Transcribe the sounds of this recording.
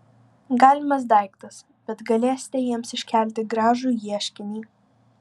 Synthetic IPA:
ɡɑːlʲɪmɐs̬d̪ɐɪkt̪ɐs | b̥ʲɛt̪ɡɐlʲeːsʲɪ̥t̪ʲɛjiɛmsɪʃʲkʲæˑlʲt̪ʲɪɡɾɑːʒuːjiɛʃʲkʲɪnʲiː

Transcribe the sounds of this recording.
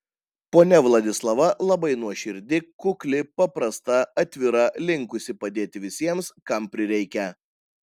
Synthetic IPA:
poːnʲɛʋlˠɐd̪ʲɪslˠɐʋɐlˠɐbɐɪnuɔʃʲɪɾʲd̪ʲɪkʊklʲɪpɐpɾɐst̪ɐɐt̪ʲʋʲɪɾɐlʲɪŋkʊsʲɪpɐd̪ʲeːt̪ʲɪʋʲɪsʲiɛmskɐmpʲɾʲɪɾʲɛɪkʲɛ

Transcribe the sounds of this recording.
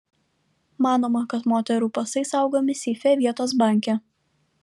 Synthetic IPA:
mɑːnoːmɐkɐt̪moːt̪ʲɛɾuːpɐsɐɪsɐˑʊɡoːmʲɪsʲiːfʲɛʋʲiɛt̪oːs̬bɑːˑŋʲkʲɛ

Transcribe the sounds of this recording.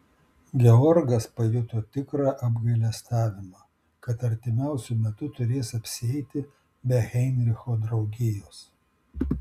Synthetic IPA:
ɡʲɛɔɾɡɐspɐjʊt̪oːt̪ʲɪkɾɑːʔɐbɡɐɪlʲɛst̪ɑːʋʲɪmɑː | kɐt̪ɐɾʲt̪ʲɪmʲæˑʊsʲʊmʲɛt̪ʊt̪ʊɾʲeːsɐpʲsʲɪɛɪt̪ʲɪ | bʲɛɣʲɛɪnʲɾʲɪxoːd̪ɾɐʊɡʲɪjoːs

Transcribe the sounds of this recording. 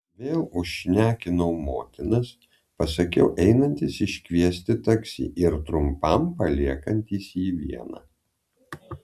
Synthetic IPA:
ʋʲeːlˠʊʃʲnʲæːkʲɪnɐʊmoːt̪ʲɪnɐs | pɐsɐkʲɛ̰ʊʔɛɪnɐnʲt̪ʲisɪʃʲkʲʋʲiɛsʲt̪ʲɪt̪ɐksʲḭːʔɪɾt̪ɾʊmpɐmpɐlʲiɛkɐnʲt̪ʲiːsjiːʋʲiɛnɐ̰

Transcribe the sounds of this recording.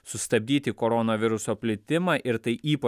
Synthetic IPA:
sʊst̪ɐbʲd̪ʲiːt̪ʲɪkoːɾoːnoʋʲɪɾʊsoːpʲlʲɪt̪ʲɪmɑːʔɪɾt̪ɐɪiːpɐ

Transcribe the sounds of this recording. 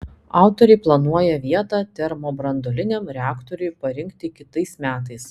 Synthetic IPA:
ɑˑʊt̪oɾʲɛɪplˠɐnuɔjɛʋʲiɛt̪ɑːt̪ʲɛɾmoːbɾɐnd̪oːlʲɪnʲɛmɾʲɛɑːkt̪ɔɾʲʊjpɐɾʲɪŋkt̪ʲɪkʲɪt̪ɐɪsmʲæːt̪ɐɪs

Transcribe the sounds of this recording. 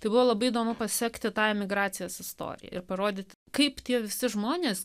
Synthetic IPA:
t̪ɐɪbʊʋoːlˠɐbɐɪid̪oːmʊpɐsʲɛkt̪ʲɪt̪ɑːɛmʲɪɡɾɑːt̪sʲɪjoːsɪst̪o̰ːɾʲɪ̰jɛ̰ɪ̰ɾpɐɾoːd̪ʲɪt̪ʲ | kɐɪpt̪ʲiɛʋʲɪsʲɪʒmoːnʲeːs

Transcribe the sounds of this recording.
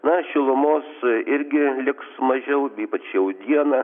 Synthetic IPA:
nɐʃʲɪlˠʊmoːsɪɾʲɡʲɪlʲɪksmɐʒʲɛʊiːpɐt͡ʃjɛʊd̪ʲiɛnɐ

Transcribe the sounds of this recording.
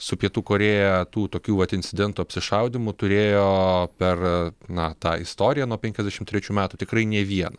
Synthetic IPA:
sʊpʲiɛt̪uːkoːɾʲeːjɛt̪uːt̪oːkʲuːʋɐt̪ɪnʲtsʲɪd̪ʲɛnt̪uɐpʲsʲɪʃɐʊd̪ʲɪmʊt̪ʊɾʲeːjoːpʲɛrnɐt̪ɑːɪst̪oːɾʲɪjænuɔpʲɛŋkʲɛzʲd̪ʲæɛʃʲɪmt̪ʲɾʲɛt͡ʃʲuːmʲæːt̪ʊt̪ʲɪkrɐɪnʲɛʋʲiɛnɐ

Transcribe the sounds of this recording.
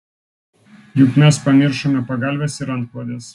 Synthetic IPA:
jʊkmʲɛspɐmʲɪɾʃomʲɛpɐɡɐlʲʋʲɛsɪɾɐnt̪̚klˠɐd̪ʲes

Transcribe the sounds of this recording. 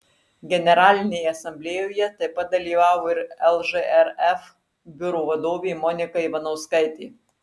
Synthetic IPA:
ɡʲɛnʲɛɾɑːlʲɪnʲeːjɛɐsɐmʲbʲlʲeːjoːjɛt̪ɐɪpɐt̪̚d̪ɐlʲiːʋɑːʋoːɪɾɛlˠʒɨʔɛɾɛf | bʲʊɾuːʋɐd̪oːʋʲeːmɔnʲɪkɐɪʋɐnɐʊskɐɪt̪ʲeː

